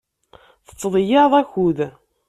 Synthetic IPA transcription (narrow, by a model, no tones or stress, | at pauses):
θə̥t͡sːðˤəjɑðˤæçuð